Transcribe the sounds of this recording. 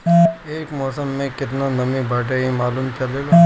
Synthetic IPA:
eːkmɔːsəmːẽkɪt̪nanɐmibʱaːʈ̬eɦimaːluːmt͡ʃɐleːɡaː

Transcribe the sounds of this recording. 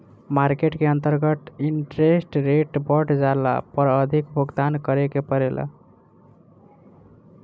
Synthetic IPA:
maɾkeʈkeənt̪əɾɡət̪iɳʈɾesʈɾeʈbəʈd͡ʒala̰pəɾəd̪ʱikbʱoɡd̪ankəɾekepəɾel̰

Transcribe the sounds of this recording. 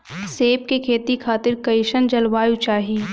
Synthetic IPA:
seːp̚kekʰeːt̪ikʰaːt̪ɪɾkɐɪʃənd͡ʒɐlʋaːjut͡ʃaːɦiː

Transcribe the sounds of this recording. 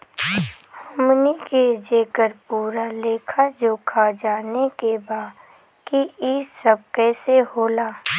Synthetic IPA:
hʊmniked͡ʒeːkəɾpuːɾaleːkʰad͡ʒoːkʰad͡ʒaːnekebaː | kiiːsəb̚kɛːseɦoːlaː

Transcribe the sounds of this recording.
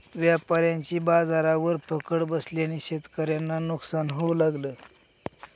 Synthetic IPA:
ʋjapaɾjãɲt͡ɕiːbad͡zaɾaʋəɾpʰəkəɽbəsljaniɕet̪kəɾjanːanuksanɦolaɡləː

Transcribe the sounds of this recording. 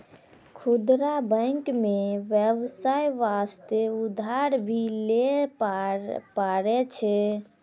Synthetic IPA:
kʰud̪ɾabə̃ŋkmeʋjebsajʋast̪eud̪ʱaɾbʱile | paɾɛt͡ʃʰɛ

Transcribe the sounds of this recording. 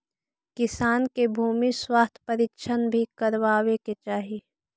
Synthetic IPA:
kɪsaːnkebʱuːmiswaːst̪ʰpəɾikʃʰənbʱikəɾʋaːweket͡ʃaːɦi

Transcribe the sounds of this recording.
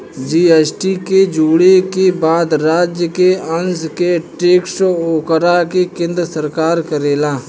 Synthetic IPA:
d͡ʒiːeːsʈiked͡ʒuːɽekebaːd̪ɾaːd͡ʒjəkeənskeʈeːksoːkəɾakekẽːnd̪ɾəsəɾkaːɾkəɾeːlaː

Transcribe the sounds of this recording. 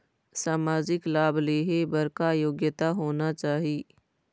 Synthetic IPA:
saːmaːd͡ʒɪklaːbleːɦebəɾkajoːɡjət̪aɦoːnat͡ʃaːɦiː

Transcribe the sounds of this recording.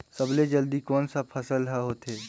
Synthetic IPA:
səbled͡ʒəld̪ikɔːnsapʰəsəlɦɛɦoːt̪ɦeː

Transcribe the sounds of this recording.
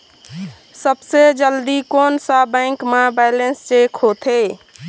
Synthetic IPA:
səbsed͡ʒəld̪ikoːnsabɛ̃ːŋkmãbɛjlenst͡ʃeːkʰhot̪ʰeː

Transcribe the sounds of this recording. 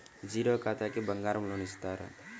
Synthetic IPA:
d͡ʒiɾɔkat̪akibaŋɡaɾmulunist̪aɾ̰

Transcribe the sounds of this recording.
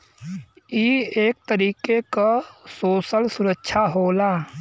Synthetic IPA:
ieːk̚t̪əɾiːkekasoːsəlsʊɾəkːʃʰaɦoːlaː

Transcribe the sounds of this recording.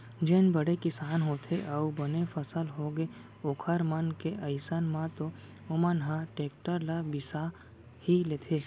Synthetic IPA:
d͡ʒenbəɽekɪsaːnɦoːt̪ʰeʔəubənefʰəsəlɦoɡe | ʊkʰəɾmənkeʔəɪsənmãt̪o | ʊmənɦãʈeːk̚ʈəɾlabɪsa | hileːt̪ʰeː

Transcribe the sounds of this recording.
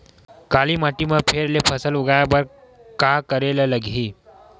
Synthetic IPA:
kalimaʈimãpʰeːɾlepʰəsəluɡajabəɾ | kakəɾelələɡʱi

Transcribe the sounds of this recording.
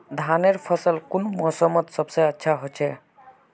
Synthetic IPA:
d̪ʱaneɾpʰəsəlkunmɔsəmət̪səbseətːʃʰaɦot͡ʃʰɛ

